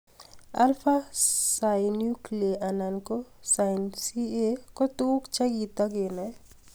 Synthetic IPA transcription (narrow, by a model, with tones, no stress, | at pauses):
a̰˦lfa˦sa˨ɪnju˦klieʔa˨na˨nko˦sansi˦e˦kɔ˦t̪u˦kt͡ʃa˦ɡit̪ɔ˦ɡɪ˨nɛ˨